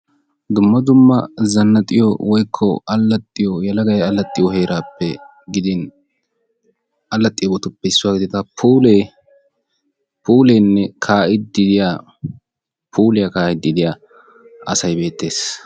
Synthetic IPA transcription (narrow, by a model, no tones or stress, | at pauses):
d̪ʊmːɐd̪ʊmːɐzɐnːɐt̪ʼːɪjɔwɔjkʰːɔ̰ɐlːɐt̪ʼːɪjɔjɐlɐɡɐjɐlːɐt̪ʼːɪjɔɦe̞ːɾaːpːɛ | ɡɪd̪ɪn | ɐlːɐt̪ʼːɪjɔbɔt̪ʊpːɛɪsːʊwaːɡɪd̪ɪt̪ɐpʰuːle | puːleːnːɛkʰaːʔɪd̪ɪd̪ɪja | pʰuːlɪjɐkaːhɪd̪ɪd̪ɪjaː | ɐsɐjbe̞ːt̪ːe̞ːs